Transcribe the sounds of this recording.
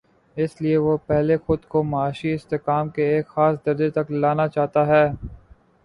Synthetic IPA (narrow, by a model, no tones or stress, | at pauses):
ɪslieʋopɛɦlexʊd̪komɐaːʃiɪst̪ekaːmkeːkxaːsd̪ɐɾd̪et̪ɐklaːnat͡ʃaːɦt̪aɦɛː